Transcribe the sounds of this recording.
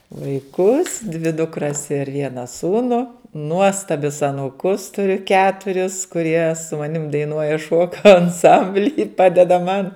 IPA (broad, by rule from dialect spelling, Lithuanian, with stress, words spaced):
ʋɐɪˈkʊs dʲʋʲɪ dʊkˈrɐs ɪr ˈʋʲiɛnɐ ˈsuːnʊ ˈnuɔstɐbʲʊs ɐnuːˈkʊs tʊˈrʲʊ ˈkʲæːtʊrʲɪs kʊˈrʲiɛ sʊ mɐˈnʲɪm dɐɪˈnuɔjɛ ˈʃuɔkɐ ɐnˈsɐmʲbʲlʲiː ˈpɑːdʲɛdɐ ˈmɐn